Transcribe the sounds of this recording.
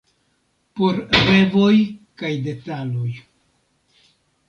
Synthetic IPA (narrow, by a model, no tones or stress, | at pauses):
po̞ɾɾe̞vo̞jkajde̞talo̞j